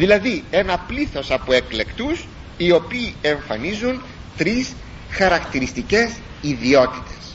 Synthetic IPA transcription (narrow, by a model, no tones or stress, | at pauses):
ðilɐðie̞nɐpliθo̞sɐpoe̞kle̞kt̪us | io̞piːe̞ɱfɐnizun | t̪ɾis | xɐɾɐkt̪iɾist̪ice̞s | iðio̞t̪i̥t̪e̞̥s